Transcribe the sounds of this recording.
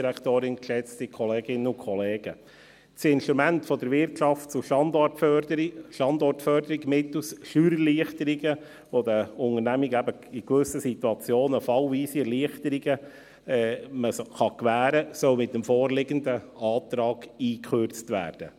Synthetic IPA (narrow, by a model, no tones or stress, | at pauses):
ɾæktoːɾɪnkʃɛt͡stikʰɔleːɡɪnːəʊkʰχɔleːɡ̥ə | t͡sɪnʃt̪ɾumæntfɔd̪əɾʋɪrtʃɑft̚t͡suʃɑndɔtfœəʃɑnd̪ɔrtfœrdəɾiɡmɪtusʃyːɾəliəχt̪əɾiɡə | ʋod̪əʊŋəɾnæmiɡæbə | ɪkʋʏsəsit̪uɑt͡sjoːnəfɑlviːsiɛrliəχtəɾiɡə | ɛməsχɑkʋæːɾəsœlmɪt̪̚ːəmfɔːrlɪɡəndə | ɑːt̪ɾɑːɡ̥iːkʰχørt͡stʋæ̰ːrd̥ə̰